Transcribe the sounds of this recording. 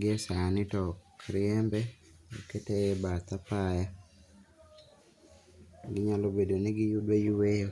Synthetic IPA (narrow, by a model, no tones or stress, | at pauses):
ɡɪɛsanɪtɔkɾɪɛmbɛoketebat̪apaja | ɡɪɲalobedonɪɡɪjudwejuwejo